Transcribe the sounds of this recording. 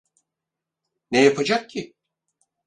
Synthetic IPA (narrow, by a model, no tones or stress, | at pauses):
nejapʰad͡ʒak̚cʰi